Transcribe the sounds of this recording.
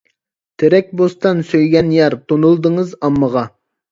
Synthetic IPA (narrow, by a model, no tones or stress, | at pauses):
t̪ʰeɾɛk̚ʲbost̪ɑnsøjɡʲɛnjɑɾt̪ʰonulˠd̪əŋəzɑmːəʁɑ